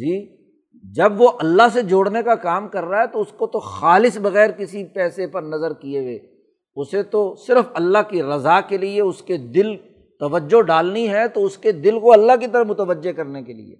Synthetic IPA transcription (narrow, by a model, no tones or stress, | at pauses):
d͡ʒiː | d͡ʒɐbʋoʔɐlːaɦs̬ed͡ʒoːɽnekakaːmkɐɾːaɦɛt̪oʊskot̪oxaːlɪsbɐɣɛːɾkɪsipɛːsepɐɾnɐzəɾkieʋḛː | ʊset̪osɪɾəfɐlːaɦkiɾɐzaːkelieʊsked̪ɪl | t̪ɐʋəd͡ʒːoɖaːlniɦɛt̪oʊsked̪ɪlkoɐlːaɦk̬it̪ɐɾəmʊt̪əʋəd͡ʒːekɐɾnekelḭḛː